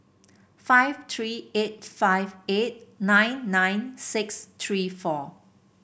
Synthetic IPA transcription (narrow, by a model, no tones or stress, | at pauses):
faɪvt̪ʰɹiːet̚faɪvet̚nãɪ̃nːãjnsɪkst̪ʰɹiːfɔ